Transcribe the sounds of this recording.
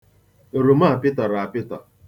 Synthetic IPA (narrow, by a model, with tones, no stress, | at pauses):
e˨ɾu˨ma˦˨pɪ˦tɔ˨ɾa˨a˨pɪ˦tɔ˨